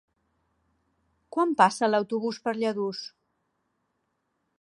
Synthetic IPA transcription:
kwampasələwt̪uβuspəɾʎəðus

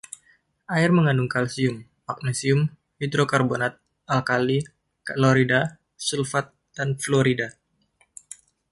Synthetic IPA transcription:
ʔaɪrməŋanduŋkalsiʊm | mak̚nisiʊm | hid̪ɾokarbonat̪̚ | ʔalkali | kaloɾida | sulfat̪̚d̥anfloɾida

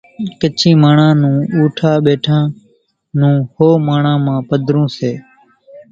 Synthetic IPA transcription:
kət͡ʃʰĩːmaːɳãːnũːuːʈʰaːɓeːʈʰãː | nũːhoːmaːɳãːmãːpəd̪ʱɾũːseː

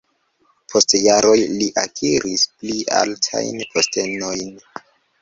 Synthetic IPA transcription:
pʰo̞stjaɾo̞jliʔakʰiɾispliʔa̰ltʰa̰jnpʰo̞ste̞nojn

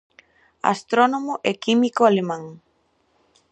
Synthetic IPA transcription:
a̰st̪ɾonomʊʔɛkimikoalemãŋ

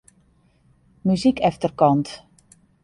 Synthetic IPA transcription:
myzikʰɛftərkɔnt

